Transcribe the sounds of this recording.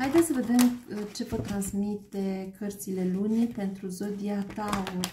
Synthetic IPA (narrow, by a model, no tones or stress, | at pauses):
hajd̪esəved̪emt͡ʃe̞pot̪ːɾanzmit̪ekʰərt̪silelunʲipent̪ɾuzod̪iat̪ao